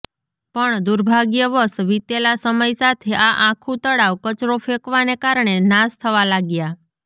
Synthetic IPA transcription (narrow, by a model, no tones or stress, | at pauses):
pəɳd̪uɾbʱaɡjəʋəsʋit̪elasəməjsat̪ʰeʔaʔãkʰũt̪əɽaʋkət͡ʃɾofekʋanekaɾɳenast̪ʰəʋalaɡja